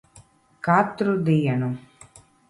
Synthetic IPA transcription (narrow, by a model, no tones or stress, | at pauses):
kaːt̪ɾud̪ijɐnum